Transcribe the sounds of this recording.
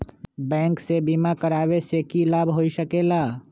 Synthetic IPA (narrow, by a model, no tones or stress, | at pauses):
bɛ̃ːŋksebiːmakəɾaːwesekilaːbʱɦoːisəkeːlaː